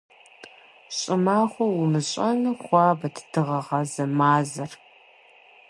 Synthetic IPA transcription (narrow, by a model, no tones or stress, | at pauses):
ɕʼɪmaːχʷɔwʊmɨɕʼɐnɨχʷɑːbɐtʰd̥ɨʁɐʁɐzɐmaːzɐr